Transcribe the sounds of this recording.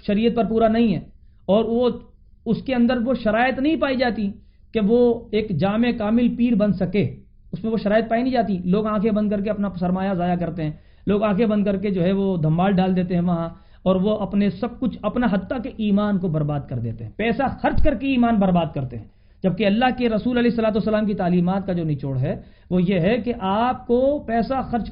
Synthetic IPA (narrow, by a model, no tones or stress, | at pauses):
ʃɐɾiːət̪̚pɐɾp̬uːɾanɐɦĩɦɛː | ɔːɾo | ʊskeɐ̃nd̪əɾʋoʃɐɾaːjət̪nɐɦĩpaːid͡ʒaːt̪i | keʋoeːkd͡ʒaːmekaːmɪlpiːɾbɐnsɐke | ʊsmẽʋoʃɐɾaːjət̪̚paːinɐ̃ɦĩd͡ʒaːt̪̬iloːɡãːkʰebɐ̃nd̪̚kɐɾk̬eɐpnasɐɾmaːjazaːjakɐɾt̪eɦɛ̃ː | loːɡãːkʰebɐ̃nd̪kɐɾked͡ʒoːɦɛʋod̪ʱɐ̃mbaːlɖaːld̪eːt̪eɦɛ̃ʋɐɦã | ɔːɾʋoʔɐpnesɐb̚kʊt͡ʃʰɐpnaɦɐt̪ːakeʔiːmaːnkobɐɾbaːd̪̚kɐɾd̪ḛːt̪eɦɛ̃pɛːsaxɐɾt͡ʃkɐɾkeiːmaːnbɐɾbaːd̪̚kɐɾt̪eɦɛ̰̃ː | d͡ʒɐb̚keɐlːaɦkeɾɐsuːlɐlɛːɪsːɐlaːt̪̬uːsːɐlaːmk̬it̪aːliːmaːt̪̚kad͡ʒoːnɪt͡ʃoːɽɦɛ | ʋojeɦɛkeʔaːp̚kopɛːsaxɐɾt͡ʃ